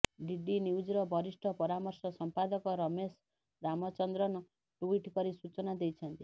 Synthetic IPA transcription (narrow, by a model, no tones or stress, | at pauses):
ɖiɖiniwd͡ʒiɾɔbʱɔɾisʈʰɔpɔɾamɔɾsɔsɔmpad̪ɔkɔɾɔmes | ɾamɔt͡ʃɔnd̪ɾɔnɔ | ʈuiʈkɔɾisut͡ʃɔnad̪ejt͡ʃʰɔnt̪i